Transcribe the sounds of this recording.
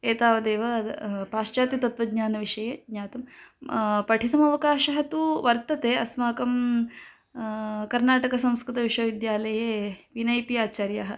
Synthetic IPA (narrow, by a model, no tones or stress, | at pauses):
eːt̪aːʋɐd̪eːʋɐpaːʂt͡ʃaːt̪it̪ɐt̪ʋɐɡɲaːnɐʋiʂɐjeɡɲaːt̪ɐm | pɐʈʰit̪ɐmɐʋɐkaːʃɐɦɐt̪uʋɐɾt̪ɐt̪eːɐsmaːkɐm | kɐɾnaːʈɐkɐsɐ̃mskɾɨt̪ɐʋiʂʋɐʋid̪jaːlɐjeːʋinɐjpiaːt͡ʃaːɾjaːɦɐ